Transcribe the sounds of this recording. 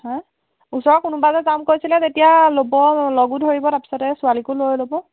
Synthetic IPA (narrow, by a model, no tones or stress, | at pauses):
hɔ | usɔɹɔkunubazɛzamkojsilɛtetijalobɔlɔɡudɦoɹibɔtapi̥sɔtɛsualikʊlojlobɔ